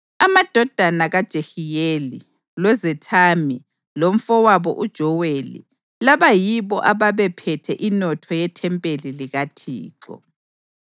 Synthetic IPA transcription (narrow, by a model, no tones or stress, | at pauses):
amad̥ʱɔd̥ʱanaɣad̥ʒ̥ʱexijeli | lwɛzɛtʰami | lom̩fɔwaβɔ̰ʔud̥ʒ̥ʱɔwelḭ | laβajiβɔʔaβaβɛpʰɛtʰɛʔinɔtʰɔjɛtʰɛmpʼeliliɣatʰḭːǃɔ̰